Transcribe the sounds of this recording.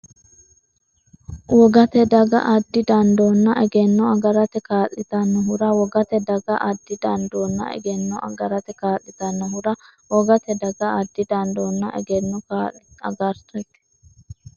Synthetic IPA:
wɔɡɐt̪ɛd̪ɐɡɐ̰ʔɐd̪ːɪd̪ɐnd̪onːɐʔɛɡɛnːɔɐɡɐɾɐt̪ɛkaːlːɪt̪ɐnːɔɦʊɾɐwɔɡɐt̪ɛd̪ɐɡɐʔɐd̪ːɪd̪ɐnd̪oːnːɐ̰ʔɛ̰ɡɛnːɔʔɐ̰ɡɐɾɐt̪ɛkaːlːɪt̪ɐnːɔɦʊɾɐwɔɡɐt̪ɛd̪ɐɡɐɐd̪ːɪd̪ɐnd̪onːɐ̰ʔɛ̰ɡɛnːɔkaːɐ̰ɡɐɾt̪ɛt̪ːɛ̥

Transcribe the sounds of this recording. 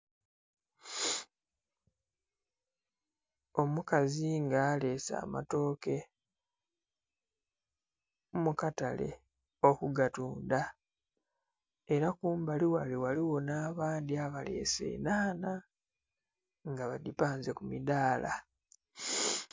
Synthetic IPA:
o̞mukaziŋɡaːle̞sa̰ːma̰to̞ːke̞ | mukatale̞̰ | o̞kuɡatuːnda | eɾakuːmbaliwaliwaliwo̞naːβaːndiaβale̞̰ːse̞̰ːnaːna | ŋɡaβadipaːnzekumidaːla̰

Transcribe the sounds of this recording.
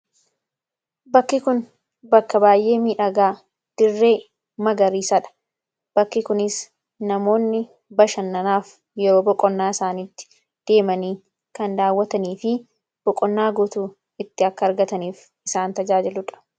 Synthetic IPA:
bɐkːɪkʊn | bɐkːɐbaːjʔe̞ːmiːᶑɐɡaː | d̪̥ɪrːe̞ː | mɐɡɐɾiːsɐᶑɐ̥ | b̥ɐkːɪkʊnɪs | nɐmo̞ːnːɪ | bɐʃɐnːɐnaːf | jɛɾoːbɔkʼɔnːaːɪsaːniːt̪ːɪ̥ | d̪̥e̞ːmɐniː | kɐnd̪aːwːɐt̪ɐniːfɪ | b̥ɔkʼɔnːaːɡʊt̪uː | ɪt̪ːɪɐkːɐːɾɡɐt̪ɐniːf | ɪsaːnt̪ɐd͡ʒaːd͡ʒɪlʊᶑɐ̥

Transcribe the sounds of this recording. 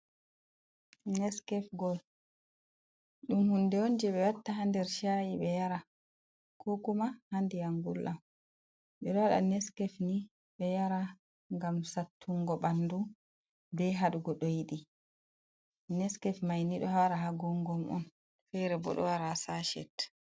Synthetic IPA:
nɛskɛfɡɔl | ɗumhundɛond͡ʒɛɓɛwatːaɦandɛɾʃajiɓɛjaɾa | kʰokumahandɛjaŋɡulʔam | ɓɛɗɔwaɗa̰nɛskɛfni | ɓɛjaɾa | ŋɡamsatʰːuŋɡɔɓandu | bɛɦaɗuɡɔɗɔjiɗi | nɛskɛfmajniɗɔhaɾahaɡɔŋɡɔmʔɔ̰n | fɛɾɛbɔ̰ɗɔ̰waɾasaʃɛ̰t

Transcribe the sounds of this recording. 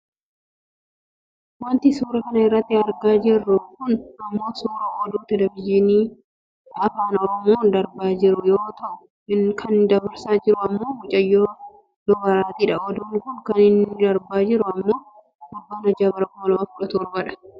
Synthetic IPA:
wɐnt̪ɪsuːɾɐkɐnɐɪrːɐt̪ːɪɐɾɡaːd͡ʒɪrːʊkʊnɐmːoːsuːɾɐɔd̪uːt̪ɛlɛbɪd͡ʒɪniː | ɐfaːnɔɾɔmoːnd̪ɐɾbaːd͡ʒɪɾʊjoːt̪ɐʔʊ | kʰɐnd̪ɐbɐɾsaːd͡ʒɪɾʊɐmːo̞ːmʊt͡ʃʼɐjːoː | dɔbɐɾaːt̪iᶑɐɔd̪uːŋkʊnkɐnɪnd̪ɐɾbaːd͡ʒɪɾʊɐmːo̞ː | hʊbːaːnɐd͡ʒaːbɐɾɐkʊmɐlɐmɐfkʊᶑɐt̪ʊɔɾbɐᶑɐ̥

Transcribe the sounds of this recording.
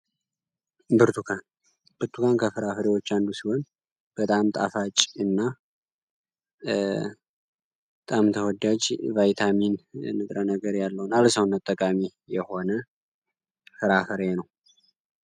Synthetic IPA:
bɨɾt̪ʰukʰan | b̥ɨɾt̪ʰukʰankʰəfɨɾafɨɾewo̞t͡ʃːand̪usihon | b̥ət̪ʼamt̪ʼa̰fat͡ʃʼɨnːa | bət̪ʼamt̪ʰəwɔd̪ad͡ʒvajt̪ʰaminnːɨt̪ʼɾənəɡəɾjalːəwnalsəwnat̪ʼːəkʼamijɛho̞nə | fɨɾafɨɾenəw

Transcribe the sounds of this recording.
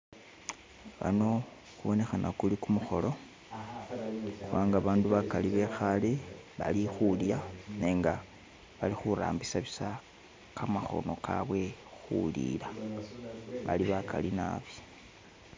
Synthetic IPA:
βa̰no̞ | xuβo̞ne̞xanʔakulikumuxo̞lo̞ | xuwaːŋɡaβaːnduβakaliβe̞xaleβa̰lixuljane̞ːŋɡa | βalixuɾa̰ːmbisaβisa | kʰamaxo̞̰no̞kʰa̰βwe̞xṵlḭla | βa̰liβakʰa̰lina̰βi̥

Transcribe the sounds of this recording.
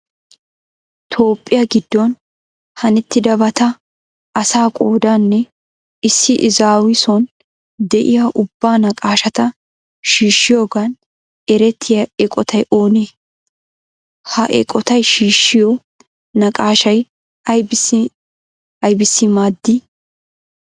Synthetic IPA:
t̪ʰo̞ːpʼːɪjɐɡɪd̪ːɔn | hɐnɛt̪ːɪd̪ɐbɐt̪ɐ | ʔɐsaːkʼo̞ːd̪anːɛ | ɪsːɪʔɪzaːwɪsɔn | d̪ɛʔɪjaʔʊbːaːnɐkʼaːʃɐt̪ɐ | ʃiːʃːɪjoːɡɐn | ɛɾɛt̪ʰːɪjɐɛkʼɔt̪ʰɐjʔo̞ːneː | hɐʔɛ̰kʼɔt̪ɐjʃiːʃːɪjɔ | nɐkʼaːʃɐj | ɐjb | ɐjbɪsːɪmaːd̪ːɪ

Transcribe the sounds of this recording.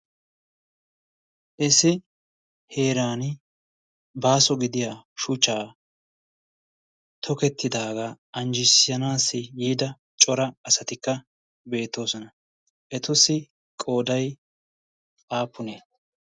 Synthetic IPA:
ʔɛsɪ | he̞ːɾaːnɪ | baːsɔɡɪd̪ɪjaːʃʊt͡ʃːaː | t̪ʰɔkɛt̪ːɪd̪aːɡaʔɐnd͡ʒɪsɪjɐnaːsːɪjiːd̪ɐ | t͡ʃʼɔɾɐɐsɐt̪ɪkːɐ | be̞ːt̪ːo̞ːsɔnɐ | ʔɛt̪ʊsɪ | kʼo̞ːd̪ɐj | ʔaːpːʊneː

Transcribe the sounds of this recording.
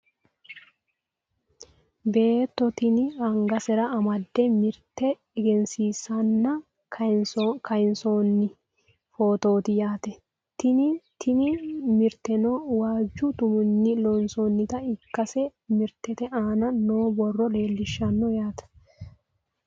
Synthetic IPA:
be̞ːt̪ːɔt̪ɪnɪɐŋɡɐsɛɾɐːmɐd̪ːɛmɪɾt̪ːɛ | ɛɡɛnsiːsɐnːɐ | kɐjɪnsonːɪ | foːt̪o̞ːt̪ɪjaːt̪ɛ | t̪ɪnɪt̪ʰɪnɪmɪɾt̪ɛnɔwaːd͡ʒːʊt̪ʊmʊnːɪlɔnsonːɪt̪ɐɪkːɐsɛmɪɾt̪ɛt̪ɛʔaːnɐnoːbɔrːɔle̞ːlːɪʃːɐnːɔjaːt̪ɐ̥

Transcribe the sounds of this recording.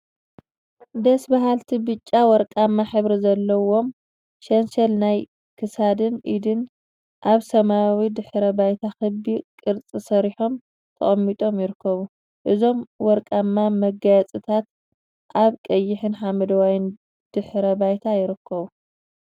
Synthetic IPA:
d̪ɐsbaɦalt̪ʰibɨt͡ʃʼːawɔɾkʼamːaħɨβɾizɐlːɐwo̞m | ʃɐnsɐlnaj | kʰɨsad̪ɨnʔid̪ɨn | ʔaβsɐmawid̪ɨħɾɐbajt̪ʰaxɨbikʼɨɾt͡sʼisɐɾiħo̞m | t̪ʰɐ̰χʼɐmːit̪ʼo̞mjɪɾɨkʰːɐβu | ʔɨzo̞mwɔɾkʼamːamɐɡajt͡sʼɨt̪ʰat̪̚ | ʔaβkʼɐjːɪħɨnħamɐd̪ɐwajɪn | d̪̥ɨħɾɐbajt̪ʰajɪɾɨkʰːɐβu

